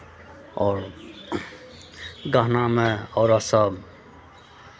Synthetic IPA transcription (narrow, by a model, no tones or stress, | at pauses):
ɔːɾ | ɡəɦnameɔːɾʌsəb